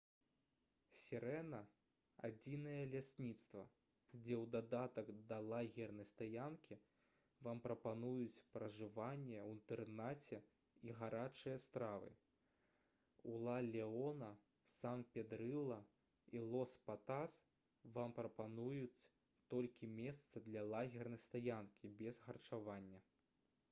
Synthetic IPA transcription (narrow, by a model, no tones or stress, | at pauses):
sʲɛɾɛnɐ | a̰d͡zʲinɐjɐlʲasʲnʲit̪st̪vɐ̰ | d͡zʲɛwd̪ad̪at̪ɐkd̪ɐlˠaɣʲɛrnɐjst̪ajankʲʰi | vampɾɐpanujut͡sʲpɾɐʐɨvanʲːɛwint̪ɛrnat͡sʲɛ | iɣaɾʔat͡ʂɨjɐst̪ɾavɨ̰ | ulˠalʲɛɔnɐ | sanpʲɛd̪ɾɨlˠːɐ | ilˠɔspat̪as | vampɾɐpanujut͡sʲ | t̪ɔlʲkʲimʲɛst̪sɐd̪lʲɐlˠaɣʲɛrnɐjst̪ajankʲibʲɛzɣɐrt͡ʂavanʲːɐ